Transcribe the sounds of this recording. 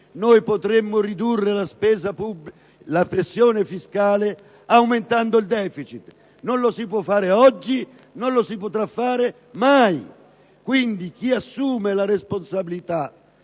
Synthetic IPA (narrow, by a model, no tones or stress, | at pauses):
nojpot̪ɾemːʊrid̪urːelaspɛːzapub | lapɾesːjɔːnɪfiskaːle | awment̪and̪oild̪ɛːfit͡ʃit̪ | nonlosipwɔfːaːɾɪɔd͡ʒːi | nonlosipot̪ɾafːaːɾɪ | maj | kwind̪ik̟iasːuːmelaɾesponsabilit̪a